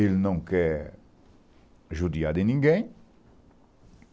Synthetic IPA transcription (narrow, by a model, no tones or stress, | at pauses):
elnɐ̃w̃kɛ | ʒud̪iad̪ɪnĩŋɡẽj̃